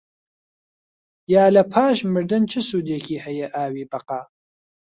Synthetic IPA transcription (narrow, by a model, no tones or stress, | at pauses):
jaːlɐpʰaːʃmɨɾd̪ɨnt͡ʃʰɨsuːd̪eːkʰiːhɐjɛʔaːwiːbɐqaː